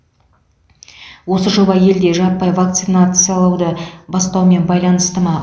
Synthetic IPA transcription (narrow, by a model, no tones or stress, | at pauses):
wo̞səʒo̞bɑje̞ld̪e̞ʒɑpːɑjvak̚t̪sɨnat̪sɨjalˠɑwd̪əbɑst̪ɑwme̞nbɑjlˠɑnəst̪əmɑ